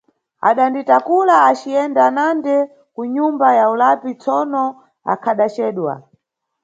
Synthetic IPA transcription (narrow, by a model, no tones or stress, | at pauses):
a̰ɗanditakulaːt͡ʃiɛndanandɛ | kuɲumbajaulapit͡sɔnɔ | a̰kʰaɗat͡ʃɛːɗwa̰